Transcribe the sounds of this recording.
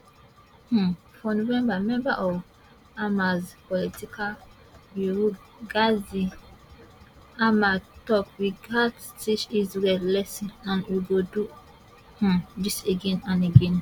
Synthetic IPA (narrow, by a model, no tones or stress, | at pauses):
hũ | fɔnovɛ̃mbamɛ̃mbaʔɔv | amazpɔlitikʰal | buɹu | ɡazi | amatɔk̚wiɡadstit͡ʃizɹɛdlɛsĩãnwuɡodu | hũdiseɡɛ̃nãneɡɛ̃n